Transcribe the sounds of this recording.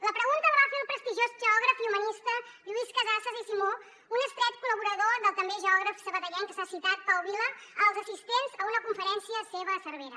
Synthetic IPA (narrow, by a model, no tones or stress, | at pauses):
ləpɾəɣunt̪əðəβafelˠpɾəst̪iʒozʒəɔɣ̞ɾəfiumənist̪əʎuiskəzasəzisimo | unəsp̪ɾɛt̪̚kuləβuɾəðoðəlˠt̪əmbeʒəɔɣɾəfsəβət̪əʎɛŋkəsasit̪at̪̚pəuβiləəlˠzəsist̪enzəunəkuɱfəɾɛnsiəseβəsəɾβeɾə